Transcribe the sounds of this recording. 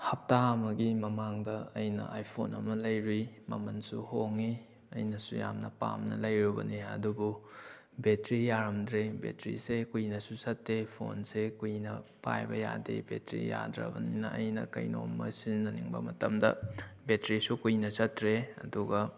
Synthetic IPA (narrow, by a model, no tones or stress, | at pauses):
hɐp̚tamɐɡimɐmaŋdɐɐjnɐ̰ajpʰonɐmɐlɐjɾwimɐmɐnsuhoŋi | ɐ̰jnɐsṵja̰mnɐpa̰mnɐ̰lɐjɾubɐniɐ̰dubu | betɾijaɾɐmdɾebḛtɾḭsekujnɐsusɐtːepʰo̰nsekujnɐpajbɐja̰dḛbetɾḭja̰dɾɐ̰bɐninɐʔɐjnɐ̰kɐjnomːɐsinnɐniŋbɐ̰mɐtɐmdɐ̰betɾisukujnɐsɐtɾeɐduɡɐ